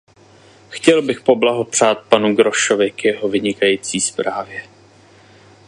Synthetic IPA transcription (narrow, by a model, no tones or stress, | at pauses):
xcɛlbɪxpo̞blaɦo̞pr̝̥aːt̪̚panuɡɾo̞ʃo̞vɪkjɛɦo̞vɪɲɪkajiːt͡siːspɾaːvjɛ